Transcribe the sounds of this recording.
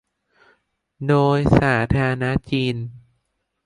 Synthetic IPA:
doː˧jsaː˩˦t̪ʰaː˧na˦˥t͡ɕiː˧n

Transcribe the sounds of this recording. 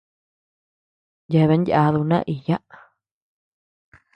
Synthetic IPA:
je˧βe˧˦nja˧ðu˧nã̰˦ʔi˨ja˦ʔ

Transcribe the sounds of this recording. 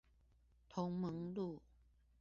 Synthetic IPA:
t̪ʰo˨˧˦ŋmə˨˦ŋlu˥˨

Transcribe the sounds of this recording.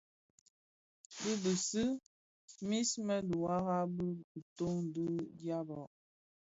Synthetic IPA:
bi˦bə˨sɨ˦ | mi˦smɛ˦du˨wa˦ɣa˦bə˦u˨to˦ŋn˨du˦dja˦bɔ˨ʔ

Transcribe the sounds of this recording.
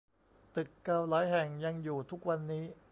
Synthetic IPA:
t̪ɯ˨˩kːaː˧wlaː˨˦jɦɛ˨˩ŋja˧ŋjuː˨˩t̪ʰu˦˥k̚wa˧nːiː˦˥

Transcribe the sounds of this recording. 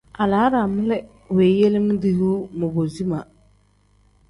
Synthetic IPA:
a˨laː˨˦ɾa˨mɪ˦lɛ˦ | weː˨je˦lɪ˦m˦di˦huː˦mʊ˨bo˨zi˦ma˨

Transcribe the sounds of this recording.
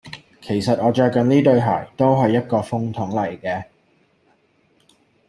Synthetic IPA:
kʰe˨˩jsɐ˨t̚ʔɔː˨˧t͡ʃœː˧kkɐ˨nniː˥t̪ɵ˨˧ɥɦaː˨˩jt̪o˥wɦɐ˨jːɐ˥t̚kɔː˧fʊ˥ŋt̪ʰʊ˨˥ŋlɐ˨˩jkɛː˧

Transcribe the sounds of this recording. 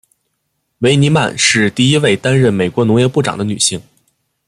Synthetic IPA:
we˧˥ɪni˧˥ma˥˧nʂɻ̩˥˧t̪i˥˩i˥we˥˩ɪt̪a˥nɻə˥˩nme˨˩ɪkwɔ˧˥nʊ˧˥ŋjɛ˧˥pu˥˩ʈ͡ʂɑ̰˨˩ŋd̪ə˦ny˨˩ɕi˥˩ŋ

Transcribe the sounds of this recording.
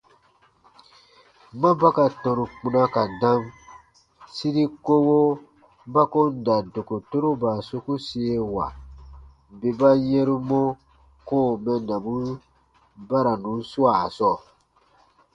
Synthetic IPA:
mã˦ba˦ka˨tɔ̃˨ɾũ˨k͡pũ˨nã˦ka˨dã˦m | si˦ɾi˦ko˦wo˦ | ba˦kõ˦n˦˨da˨do˨ko˨to˦ɾo˦ba˨so˦ku˦se˦wa̰˨ | be˨ba˦ɲɛ˦ɾu˦mɔ̃˦ | koː˦˨mɛ̃˨nã˨bũ˦ | ba˦ɾa˨nũ˨˦n˦su˦a˨sɔ˦˨

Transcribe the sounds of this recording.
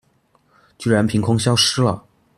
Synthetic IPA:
t͡ɕy˥ɻa˧˥npʰi˧˥ŋkʰʊ˥ŋɕjɑ˥ʊʂɻ̩˥lə̰˨

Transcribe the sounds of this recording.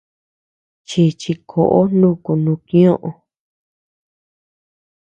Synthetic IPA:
t͡ʃi˧t͡ʃi˧kʰo˨ʔo˦nũ˦˨ku˧nũ˧kĩ˦õ˦ʔõ˧

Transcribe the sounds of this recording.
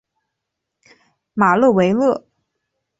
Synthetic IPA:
ma˨˩lɤ˥˩we˧˥ɪlɤ˥˩

